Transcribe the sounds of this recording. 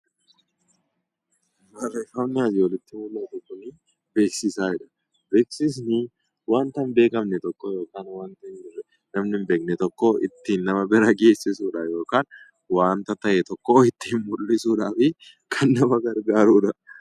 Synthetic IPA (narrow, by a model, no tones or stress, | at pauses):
bɐɾɐɪfɐwnːɪɐzɪwɔlɪt̪ːɪmʊlːɐt̪ʊkʊnɪ | be̞ːksɪsaːɪᶑɐ̥ | be̞ːksɪs̬nɪ | waːnt̪ɐmbe̞ːkɐmnɛt̪ɔkːojo̞ːkaːnwaːnt̪ɐɪnɪɾɛ | nɐmnɪmbe̞ːk̚nɛt̪ɔkːoːɪ̰t̪ːiːnːɐmɐbɪɾɐɡe̞ːsːɪsuːᶑajo̞ːkaːn | waːnt̪ɐt̪ɐʔɛt̪ɔkːoːɪt̪ːiːnmʊlːɪsuːᶑaːfɪ | kʰɐnːɐmɐɡɐɾɡaːɾuːᶑɐ